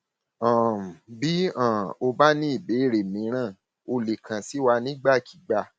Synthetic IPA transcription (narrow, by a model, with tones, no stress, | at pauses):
ã˦˨bi˦ã˦˨o˧ba˦nĩ˦i˦˨be˨˦˨ɾe˨mĩ˨˦ɾ̃ã˦˨ | o˧le˨kʰã˨si˨˦wa˧nĩ˦ɡ͡ba˦˨kʰi̥˨ɡ͡ba˦˨